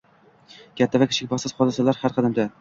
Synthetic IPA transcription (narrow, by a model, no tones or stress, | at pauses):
kʲʰat̪ʰːavakʲɪ̥ʃɪk̚ʲbɒsɪz̥χɒd̪ɪsalaɾhaɾqʰɑd̪amd̪a